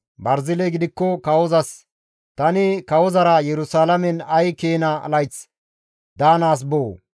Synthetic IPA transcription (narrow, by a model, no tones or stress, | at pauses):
bɐɾzɪleɡɪd̪ɪkːɔkɐwɔzɐs | t̪ɐnɪkɐwɔzɐɾɐjɛɾʊsaːlɐmɛnɐjkeːnɐɐ̰lɐjt͡s | d̪aːnaːs̬boː